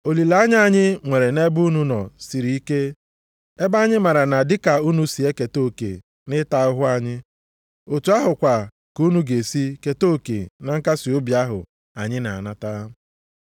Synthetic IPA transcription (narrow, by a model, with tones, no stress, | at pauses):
o˨li˨la˦ɲ˦a˦ɲɪ˦ŋʷe˨ɾe˨ne˦bu˦nu˦nɔ˨si˨ɾi˨˦i˦ke˦ | e˦ba˦ɲɪ˦ma˨ɾa˨na˨dɪ˦ka˨u˦nu˦si˨e˦ke˨to˦˨kḛ˨ | nɪ˦ta˨ʊ˦ɦʊ˦a˦ɲɪ˦ | o˨tu˨a˦ɦʊ˨kʷa˨ | ku˦nu˦ɡe˨si˦ke˨to˦˨kḛ˨na˨ŋ̩˦ka˦si˨o˦bi˨a˦ɦʊ̰˨ | a˨ɲɪ˦na̰˨a̰˨na˦ta˦